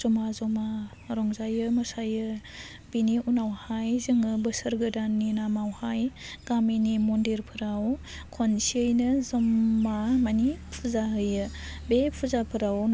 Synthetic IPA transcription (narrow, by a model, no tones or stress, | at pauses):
z̥ɔmazɔma | ɾɔŋzajɯmɯsajɯ | b̥iniʔunawhajzɯŋɯbɯsɯɾɡɯdanːinamawhajɡ̥aminimɔndiɾpʰɯɾawkʰɔnsiɯjnɯzɔmːamanipʰuzaɦɯjɯbepʰuzapʰɯɾawn